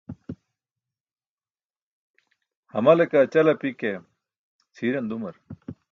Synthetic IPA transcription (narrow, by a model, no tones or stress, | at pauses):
hɐmɐlekat͡ɕɐlɐpike | t͡sʰiːɾɐnd̪umɐɾ